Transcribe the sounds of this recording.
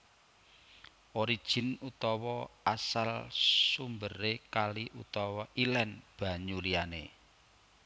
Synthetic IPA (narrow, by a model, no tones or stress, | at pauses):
ʔoɾid̥ʒ̥ɪ̤nut̪ɔwɔasalsumbəɾekaliʔut̪ɔwɔʔilɛnb̥a̤ɲulianḛ